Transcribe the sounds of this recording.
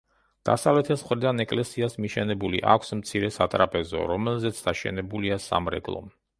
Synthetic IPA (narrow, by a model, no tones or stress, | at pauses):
d̪̥a̰savlɛt̪ʰɛsmχɾid̪anɛkʼlɛsiasmiʃɛnɛbulḭʔa̰kʷʰsmt̪sʰiɾɛsat̪ʼɾapʼɛzɔ̰ɾɔmɛlˠzɛt̪sʰd̪aʃɛ̰nɛbuliasa̰mɾɛ̰ɡlˠɔ̰m